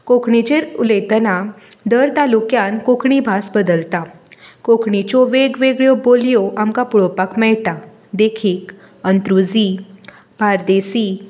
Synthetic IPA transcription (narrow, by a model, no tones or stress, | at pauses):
kokʰɳit͡ɕeɾulejt̪əna | d̪əɾt̪alukjãnkokʰɳibʱasbəd̪əlt̪akokʰɳit͡ɕɔʋeɡʋeɡɭjɔboljɔʔamkapuɭɔpakmɛɭʈa | d̪ekʰiːk | ənt̪ɾud͡zi | bʱaɾd̪esiː